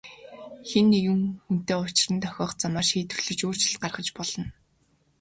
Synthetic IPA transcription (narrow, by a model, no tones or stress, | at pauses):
xenːejŭŋxun̥t̪eːʊt͡ɕɪɮɘ̆nt̪ʰœxʲɔːχt͡samaːrʃiːt̪ɵ̥̆rɮɘ̆t͡ɕoːr̥t͡ɕɪ̆ɮt̪̚ɢarχə̆t͡ɕpɔɮɞ̆n